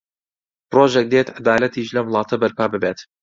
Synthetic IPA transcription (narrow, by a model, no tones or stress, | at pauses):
pɾoːʒɛk̚d̪eːt̪ad̪aːlɐt̪ʰiːʒlɐwlˠɑːt̪ʰɐbɐɾpʰɑːbɨbeːt̪